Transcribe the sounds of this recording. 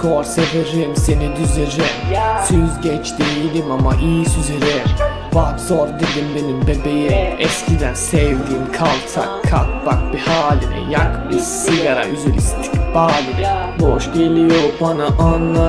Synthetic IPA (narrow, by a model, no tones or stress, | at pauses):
kʰoɾseveɾimsenid̪yzeɾimsyzɟɛt͡ʃt̪ijilʲimamaʔijisyzeɾɛɾ | vakz̥oɾd̪ed̪imbe̞nimbebejimɛscʰid̪ænsɛvd̪iːmkʰalˠt̪ʰa̰kʰːak̚bak̚b̥ihaːlʲinɛ̰jakbisiɡaɾa̰yzelʲist͡ʃʰb̥aːlʲinɛ | boʃɟelʲijoɾbanaʔanːa